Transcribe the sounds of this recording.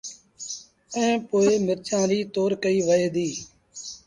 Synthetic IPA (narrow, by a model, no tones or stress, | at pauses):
ɛ̃ːpoːeːmɪɾt͡ʃãːɾiːt̪oːɾkəiːʋəeːd̪iː